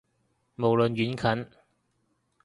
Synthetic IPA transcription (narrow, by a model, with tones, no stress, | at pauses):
mo˨˩wlɵ˨nɥyː˨˥nkʰɐ˨˥n